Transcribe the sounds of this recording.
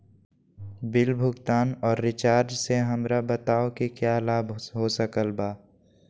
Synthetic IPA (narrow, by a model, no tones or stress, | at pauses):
bɪlbʱʊɡt̪aːnɔːɾːɪt͡ʃaːɾd͡ʒseɦəmɾabət̪aːokikjalaːbɦosəkəlbaː